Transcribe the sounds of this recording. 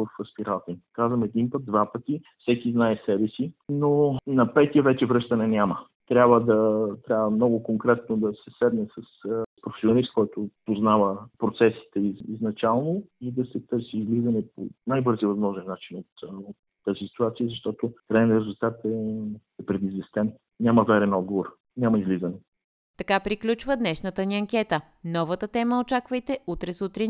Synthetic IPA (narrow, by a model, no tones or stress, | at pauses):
əfɐspiɾʔalˠt̪iŋkazvəmɛd̪inpəd̪̚d̪vapət̪ifsɛkiznaɛsɛbɛsinonɐpɛt̪iəvɛt͡ʃɛvɾɤʃt̪ənɛnʲamə | t̪ɾʲabvəd̪ɐt̪ɾʲabvəmnɔɡʊkoŋkɾɛt̪̚nod̪ɐsɛsɛd̪nɛsɐspɾofɛ̥sʲionist̪kɔjt̪opoznavəpɾot̪sɛsi̥t̪ɛiziznɐt͡ʃalˠnoid̪ɐsɛt̪ɤɾsʲiːzlizənɛpo̰najbɤɾziəvəzmɔʒɛnːat͡ʃinot̪ot̪ːazisi̥t̪uat̪siəzɐʃt̪ɔt̪okɾaɛnɾɛzulˠt̪at̪ɛ | ɛpɾɛd̪izvɛst̪ɛn | nʲamɐvɛɾɛnɔd̪̚ɡovoɾ | nʲamɐizlizɐnɛ | t̪ɐkapɾiklʲut͡ʃvəd̪nɛʃnət̪əniɐŋkʲɛt̪ə | nɔvət̪ət̪ɛməot͡ʃakvəjt̪ɛut̪ɾɛsut̪ɾi